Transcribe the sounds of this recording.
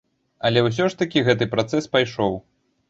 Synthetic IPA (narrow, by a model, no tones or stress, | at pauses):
ɐlʲɛws̬ʲɔʂt̪ɐkʲiɣɛt̪ɨpɾat̪sɛspajʂɔw